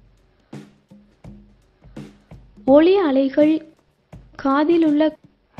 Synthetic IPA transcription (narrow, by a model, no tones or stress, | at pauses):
ɔɭiɐɭɐɪɣɐɭ | kʰaːðɪlʊɭːɐ